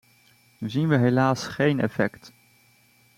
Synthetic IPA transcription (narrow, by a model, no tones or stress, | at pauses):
zinʋəɦelaːsχejnɛ̰fɛkt